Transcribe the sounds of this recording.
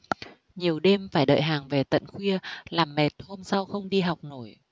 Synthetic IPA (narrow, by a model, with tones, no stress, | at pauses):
ɲi˨˩əwɗe˧mfaː˧˩jɗə̰ː˧˨jɦaː˨˩ŋve˨˩t̪ə̰˧˨nxwi˧əlaː˨˩mːe˨˩t̚ho˧msa˧wxə˧wŋ͡mɗi˧ɦa˨˩wk͡p̚no˧˩˦j